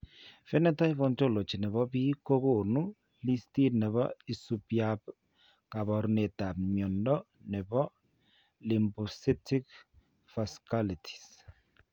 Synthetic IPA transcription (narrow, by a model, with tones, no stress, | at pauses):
fɛ˦nɛ˦ta˦i˦βɔ˨nto˦lo˨t͡ʃi˨nɛ˨βɔ˦bi˦ko˦ko˨nu˦ | li˦sti˦nɛ˨βɔ̰˦i˨supjap | ka˨bɔ˨ɾune˨ta˨pmjɔ˨ndɔ˦ | nɛ˨bɔ˦ | li˨mbu˨si˦ti˦k | fa˨skalitʰi̥˨s